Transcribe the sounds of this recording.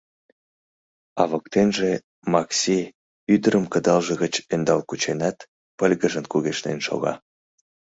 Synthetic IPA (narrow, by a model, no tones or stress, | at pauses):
ɑβəkt̪enʒe | mɑksi | yd̪əɾəmkəd̪ɑlʒəɣət͡ɕend̪ɑlkut͡ɕenɑt̪ | pəlʲɣəʒənkuɣeʃnḛnʃo̰ɣɑ̰